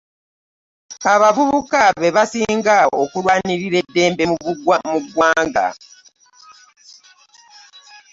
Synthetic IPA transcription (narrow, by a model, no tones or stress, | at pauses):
aβavuβukaβe̞βasiːŋɡaokulwaːniɾiɾe̞dːe̞ːmbe̞muuɡmuɡwaːŋɡa̰